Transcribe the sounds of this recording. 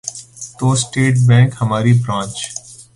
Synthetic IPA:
t̪oːsʈeːʈbɛ̃ːŋkhɐmaːɾibɾãːt͡ʃ

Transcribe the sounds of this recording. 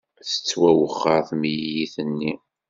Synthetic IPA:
θə̥t͡sːwæwəχːəɾθmijiθənːi

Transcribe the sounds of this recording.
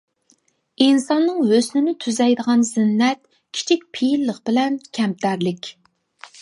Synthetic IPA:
insɑnːɨŋɦøsnɪnɪt̪ʰyzɛjd̪əʁɑnzɪnːɛt̪ | kʲʰi̥t͡ʃʰik̚ʲpʰijlːəqbɪlɛnkʲʰɛmt̪ʰæɾlɪkʲ

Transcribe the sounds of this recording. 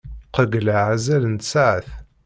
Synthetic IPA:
qəɡlaʕazælənt̪saʕəθ

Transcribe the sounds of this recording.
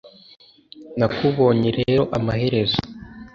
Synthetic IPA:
nakuβo̞ːɲeɾeːɾo̞ʔamahe̞ɾe̞zḁ

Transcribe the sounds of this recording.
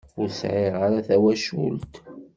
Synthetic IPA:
ʊɾsʕɪʁaɾaθæwæʃṵlt̪

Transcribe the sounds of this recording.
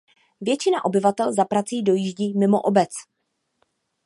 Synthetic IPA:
vjɛt͡ʃɪnaʔo̞bɪvat̪ɛlzapɾat͡siːdo̞jiʒɟiːmɪmo̰ʔobɛt͡s

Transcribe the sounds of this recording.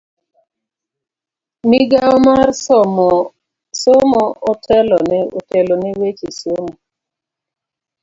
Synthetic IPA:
miɡaɔmar | somɔotʰɛlɔnɛo̰telonɛwet͡ʃisomo

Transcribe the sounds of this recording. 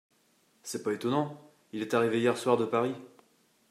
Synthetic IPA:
sɛpaet̪ɔnɑ̃ | ilɛt̪aʁiveijɛʁswaʁd̪əpaʁi

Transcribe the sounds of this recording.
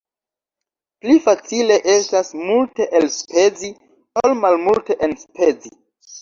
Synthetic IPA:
plifat͡sile̞ʔe̞stasmulte̞ʔelsped͡zi | olmalmulte̞ʔenspʰe̞d͡zi

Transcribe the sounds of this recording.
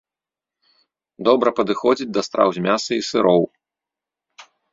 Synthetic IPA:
d̪ɔbɾɐpɐd̪ɨxɔd͡zʲid͡zʲd̪ɐst̪ɾa̰wzʲmʲasɨisɨɾɔw

